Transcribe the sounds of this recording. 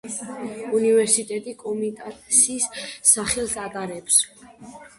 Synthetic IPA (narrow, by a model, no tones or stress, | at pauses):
univɛɾsit̪ʼɛt̪ʼikʼɔmit̪ʼat̪ʼsisːaχɛlˠsaɡʼaɾɛps